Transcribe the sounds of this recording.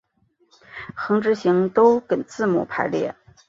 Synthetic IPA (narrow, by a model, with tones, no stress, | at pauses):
xɤ˧˥ŋʈ͡ʂɻ̩˧˥ɕi˧˥ŋt̪o˥ʊkə˨˩nt͡sɹ̩˥˩˧mṵ˨˩pʰa˧˥ɪljɛ̰˥˩